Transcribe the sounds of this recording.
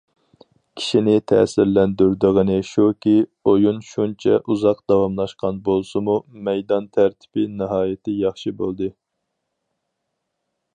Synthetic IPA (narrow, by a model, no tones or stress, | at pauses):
kʲʰi̥ʃinɪt̪ʰɛ̰ːsɪɾlɛnd̪yɾd̪ɨʁənɨʃukʲiojunʃunt͡ʃʰɛ̰ʔuzɑqd̪̥ɑwɑmlˠɑʃqʰɑnbolˠsɨmumɛjd̪ɑnt̪ʰæɾt̪ʰɪ̥pɪnɨɦɑːjɪt̪ʰɪjɑχʃɨbolˠd̪ɨ